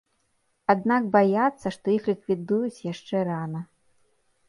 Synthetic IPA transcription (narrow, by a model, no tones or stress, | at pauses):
ad̪nakbajat̪sːɐʂt̪ɔixlʲikvʲid̪ujut͡sʲjaʂt͡ʂɛɾanɐ